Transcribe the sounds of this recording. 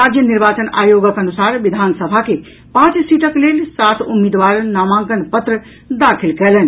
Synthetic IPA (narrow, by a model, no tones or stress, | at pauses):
ɾad͡ʒjəniɾbat͡ʃəna̰joɡəkənusaɾʋid̪ʱansəbʱake | pãt͡ʃsiʈəklelsat̪ʰumːid̪ʋaɾnamãŋkənpət̪ɾə | d̪akʰilkɛlɛn